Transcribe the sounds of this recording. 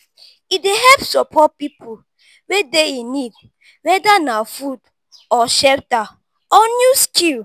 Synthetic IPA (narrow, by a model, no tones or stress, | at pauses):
ideɦɛpsɔpʰɔt̚pipʰu | wedeinid̚ | wɛdanafud | ɔʃɛlta | ɔnjuskʰil